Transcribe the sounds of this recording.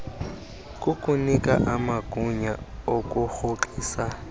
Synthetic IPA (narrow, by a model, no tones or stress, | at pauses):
kʼukʼunikʼa̰ʔamakʼuɲa̰ | okʼuxoǃiːsa